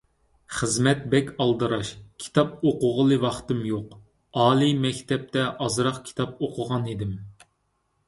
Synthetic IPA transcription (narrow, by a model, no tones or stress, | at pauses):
χəzmɛt̪̚bɛkʲɑlˠd̪ɨɾɑʃkʲʰi̥t̪ʰɑp̚oqʊʁəlˠɨwɑχt̪ɨmjoq | ɑːlˠimɛkʲt̪ʰɛp̚t̪ʰɛʔɑzɾɑqkʲʰi̥t̪ʰɑp̚oqʰʊʁɑnid̪ɪm